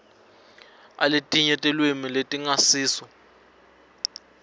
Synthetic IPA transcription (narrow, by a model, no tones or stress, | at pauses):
a̰letʼiɲɛtʼɛlwemiletʼiŋasiːsɔ